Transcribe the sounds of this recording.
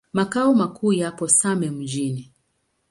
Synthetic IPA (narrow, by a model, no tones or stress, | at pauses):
makaɔmakuːjapɔsamɛm̩d͡ʒini